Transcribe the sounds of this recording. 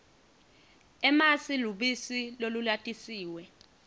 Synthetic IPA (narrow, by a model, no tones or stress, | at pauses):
ɛmasiluɓisilolulatʼisiːwɛ